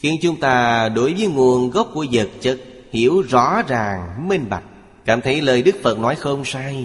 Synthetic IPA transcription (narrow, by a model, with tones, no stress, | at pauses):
xi˧ənt͡ɕʊ˨˦ŋ͡mt̪aː˧ɗo˨˦jvəː˨˦jŋu˨˩ənɣə˦˥wp̚ku˧˩əzə˨˩t̚t͡ɕə˦˥t̚ | hi˧˩əwzɔ̰˧˥zaː˨˩ŋmi˧ŋɓa˨˩jk̟̚ | kaː˧˩mt̪ʰə˨˦jləː˨˩jɗɨ˦˥k̚fə˨˩t̚nɔ˨˦jxə˧wŋ͡msaː˧j